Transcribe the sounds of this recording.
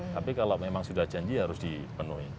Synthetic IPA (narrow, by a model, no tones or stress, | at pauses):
t̪apikalamemaŋsudahd͡ʒaɲd͡ʒiɦaɾʊsd̥ipənuɦi